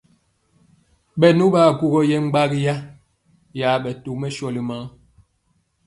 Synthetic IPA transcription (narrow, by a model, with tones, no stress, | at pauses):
ɓɛ˨nu˦ba˦˨ɡu˨ɡɔ˨jɛ˦ŋ͡m̩˦ɡ͡ba˦ɡi˦ja˦ | ja˨˦ɓɛ˨tu˨mɛ˦ʃɔ˨li˨ma˨˦ŋ